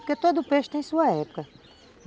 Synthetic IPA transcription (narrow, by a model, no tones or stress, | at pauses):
ɾket̪od̪ʊpeʃt̪ẽj̃suɐɛpu̥kɐ | n